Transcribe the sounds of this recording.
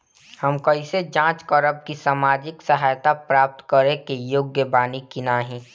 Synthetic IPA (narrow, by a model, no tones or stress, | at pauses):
həmkəɪsed͡ʒãːt͡ʃkɔɾəb̚kisaːmaːd͡ʒɪksəɦaːjt̪apɾaːp̚t̪kəɾekejoːɡjəbaːnikinaːɦĩː